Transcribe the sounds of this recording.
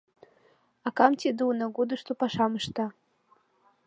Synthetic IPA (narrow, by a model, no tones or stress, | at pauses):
akamtʰidɨwnaɡʷudɨʂtʰopʰaʂamɨʂtʰa